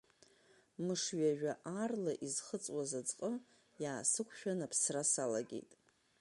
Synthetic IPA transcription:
mɨʂɥaʒᶣaʔarlaʔizχət͡sʼwazad͡zqʼə | jaːsɨkʷʰʃᶣanapʰsrasala̰ɡʲe̞̰jtʼ

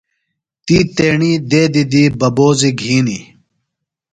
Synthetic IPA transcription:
t̪iːt̪eːɳiːd̪eːd̪id̪iːbɐboːziɡʱiːni

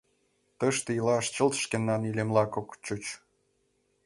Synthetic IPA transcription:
t̪əʃt̪eilɑʃt͡ɕə̆lt̪ʃkenːɑnilʲemlɑkokt͡ɕut͡ɕ

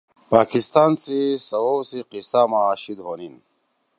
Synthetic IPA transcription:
paːkist̪aːnsisɐwowsiqisaːmaːɕid̪ɦoːnin

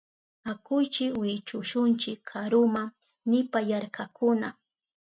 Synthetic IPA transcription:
akʊjt͡ʃɪkwɪt͡ʃʊʃʊnt͡ʃɪkʰːaɾʊma | nɪpajaɾkakʊna

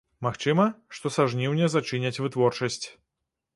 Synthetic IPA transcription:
maxt͡ʂɨmɐʂt̪ɔsaʐnʲiwnʲɛzat͡ʂɨnʲɐt͡sʲvɨt̪vɔrt͡ʂɐsʲt͡sʲ

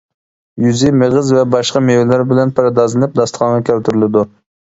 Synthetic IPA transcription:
jyzɪmeʁəzvɛbɑʃqɑmewɪlɪɾbɪlɛnpɑɾɑd̪ɑzɨnɨp̚d̪ɑst̪χʰɑnʁɑkʲʰɛlt̪yɾɪlˠɪd̪u

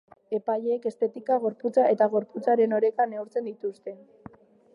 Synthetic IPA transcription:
e̞paʎeeke̞st̪e̞t̪ikaɣ̞o̞ɾput͡saʔe̞t̪aɣo̞ɾput͡saɾe̞no̞ɾe̞kaneuɾt͡se̞nd̪it̪ust̪e̞

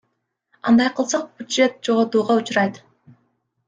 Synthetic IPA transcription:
ɑ̰nd̪ɑjqʰɯlˠsɑq̚b̥ʲʊdʒe̞t̪̚d͡ʒoʁot̪uːʁɑut͡ʃuɾɑjt̪

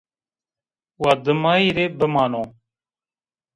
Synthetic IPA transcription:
waːd̪əmaːiɾeːbəmaːnoː

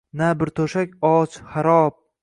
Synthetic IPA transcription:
nabɪɾt̪ʰoʃakʲɒt͡ʃχaɾɒp̚

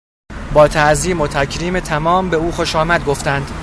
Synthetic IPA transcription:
bɒːt̪ʰæʔziːmo̞t̪ʰæcʰɾiːmet̪ʰæmɒːmbe̞uːxo̞ʃɒːmæd̪̚ɡo̞ft̪ænd̪

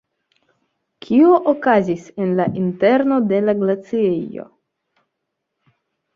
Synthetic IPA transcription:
kʰioʔokazise̞nlaʔinte̞ɾno̞de̞laɡlat͡siejo̰

